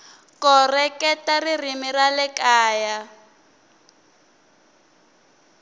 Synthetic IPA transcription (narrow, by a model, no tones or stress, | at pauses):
kɔrɛkɛtaririmiralɛkaːja